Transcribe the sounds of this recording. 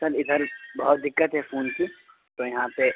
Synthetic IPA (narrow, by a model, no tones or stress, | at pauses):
səlɪd̪ʱəɾbɐɦʊt̪̚d̪ɪkːət̪ɦɛfʰuːnki | t̪oːjɐɦãpe